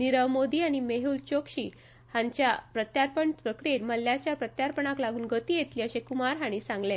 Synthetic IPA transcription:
niɾəʋmod̪iːaɽ̃imeɦuːlt͡ɕokɕiː | hãɲt͡ɕjapɾət̪jaɾpəɳpɾəkɾiet̪məlːjat͡ɕjapɾət̪jaɾpəɳaklaɡuːnɡət̪iːjet̪liːəɕekumaɾɦaɽ̃isãŋɡlẽ

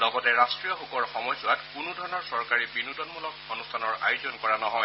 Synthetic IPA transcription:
lɔɡɔtɛɹastɹijɔxukɔɹxɔmɔjsʊwatkʊnudʱɔɹɔnɔɹsɔɹkaɹibinutɔnmulɔkonustʰanɔɹa̰jʊzɔnkɔɹanɔɦɔj

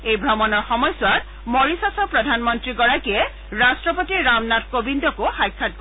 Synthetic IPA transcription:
ejbʱɹɔmɔnɔɹxɔmɔjsʊwat | mɔɹisasɔpɹɔdʱanmɔntɹiɡɔɹakiɛ | ɹastɹɔpotiɹamnatkobindɔkoxajkʰːat̚ɡo

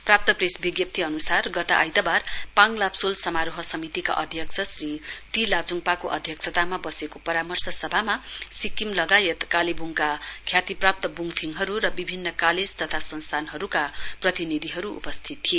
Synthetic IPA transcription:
prap̚t̪ʌpresbiɡjʌp̚t̪ʰiʌnusarɡʌt̪a̰ʔa̰jt̪abarpaŋlapsolsʌmaɾoɦʌsʌmit̪ika̰ʔʌd̪ʱjʌksʰʌsriʈilat͡suŋpakoʔʌd̪ʱjʌksʰʌt̪amabʌsekopʌɾamʌrsʌsʌbʱamasikimlʌɡajet̪kalibuŋkakʰjat̪iprap̚t̪ʌbuŋpʰiŋɦʌɾuɾʌbibʱinːʌkaled͡zt̪ʌt̪ʰasʌnst̪ʰanɦʌɾukaprʌt̪inid̪ʱiɦʌɾuṵpʌst̪ʰit̪ːʰie

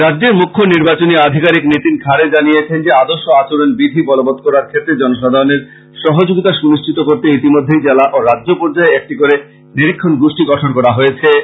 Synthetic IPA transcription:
ɾadːd͡ʑeɾmukʰːoniɾbat͡ɕoniad̪ʱikaɾiknit̪inkʰaɾed͡ʑanijet͡ɕʰend͡ʑead̪oɾʃoat͡ɕoɾonbid̪ʱibɔlobɔt̪̚kɔɾaɾkʰet̪ːɾed͡ʑɔnoʃɔd̪ʱaɾoneɾ | ʃɔɦod͡ʑoɡit̪aʃuniʃt͡ɕʰit̪okoɾt̪eit̪imod̪ʱːejd͡ʑɛlaʔoɾadd͡ʑopoɾd͡ʑaeek̚ʈikoɾe | niɾikʰːonɡuʃʈiɡɔʈʰonkɔɾaɦojet͡ɕʰe

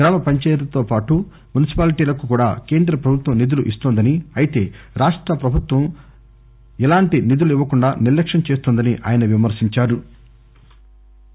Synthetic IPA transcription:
ɡɾaːmɐpɐɲt͡ʃɛːjlɐt̪o̞ːpaːʈu | munisi̥paːliʈiːlɐkukuːɽaːke̞ːnd̪ɾɐpɾɐbʱut̪ʋɐmnid̪uluʔist̪ond̪ɐniɐjit̪e̞ːɾaːʂʈɾɐpɾɐbʱut̪ʋɐm | ɛlaːɳʈinid̪uluiʋːɐkuɳɖaːniɾlːɐkʂɐnt͡ʃeːst̪uːnd̪ɐniʔaːjɐnɐʋimɐɾsiɲt͡ʃaːɾu

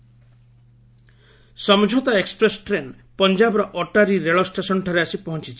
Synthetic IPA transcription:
sɔmd͡ʒʱot̪aekspɾesʈɾeɳɖ | pɔnd͡ʒabɔɾɔʔɔʈaɾiɾeɭɔsʈesɔnʈʰɔɾeasipɔɦɔnt͡ʃit͡ʃʰi̥

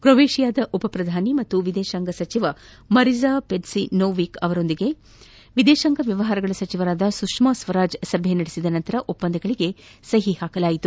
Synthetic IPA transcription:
kɾoʋeːʃijaːd̪ɐʔupɐpɾɐd̪ʱaːnimɐt̪ːuʋid̪eːʃɐŋɡɐsɐt͡ʃiʋɐ | mɐɾizaːpeɖsinoːʋikɐʋɐɾo̞nd̪iɡe̞ | ʋid̪eːʃɐŋɡɐʋjɐʋɐɦaːɾɐɡɐɭɐsɐt͡ʃiʋɐɾaːd̪ɐsukʂmasʋɐɾaːd͡ʒsɐbʱjenɐɽesid̪ɐnɐnt̪ɐɾɐʔupːɐnd̪ɐɡɐɭiɡe̞ | sɐɦihaːkɐlaːjit̪u

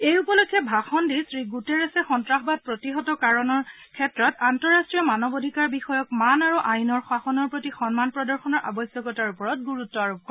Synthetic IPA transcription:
ejupɔlokʰːɛbʱaxɔndisɹiɡuteɹɛsɛxɔntɹaxɔbad̚pɹotiɦɔtɔkaɹɔnɔɹ | kʰɛtɹɔtantɔɹastɹijɔmanɔbodʱikaɹbixɔjɔkmanaɹuʔajnɔɹxwaxɔnɔɹpɹotixɔnmanpɹɔdɔɹxɔnɔɹʔa̰bɔsjɔkɔtaɹupɔɹɔt̚ɡuɹutːɔaɹɔb̚kɔ

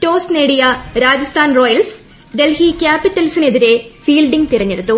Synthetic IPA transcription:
ʈo̞ːsneɽijɐɾaːd͡ʑɐst̪ʰaːnro̞ːjɐls | d̪e̞lhikʲaːpiʈːɐlisine̞ðiɾe̞fiːlɖiŋɡt̪irɐɲːeɽut̪ːu

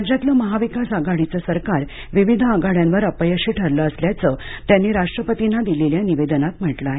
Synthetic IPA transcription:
ad͡ʑat̪ləməɦaʋikasaɡaɽit͡səsəɾkaɾ | ʋiʋid̪ʱəaɡaɽjãnʋəɾəpəjəɕiːʈʰəɾləːsljat͡sət̪janːiːɾaʂʈɾəpət̪inːad̪ileljaniʋed̪ənat̪m̤əʈlaɦe

